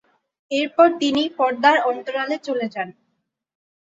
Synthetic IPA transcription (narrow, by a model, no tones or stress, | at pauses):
eɾpɔɾt̪inipɔɾd̪aɾɔnt̪oɾalet͡ɕoled͡ʑan